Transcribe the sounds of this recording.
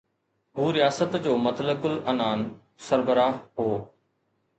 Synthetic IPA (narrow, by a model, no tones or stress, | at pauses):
ɦuːɾɪjaːsət̪d͡ʑoːmɐt̪ləkʊlɐnaːn | səɾbəɾaːɦɦoː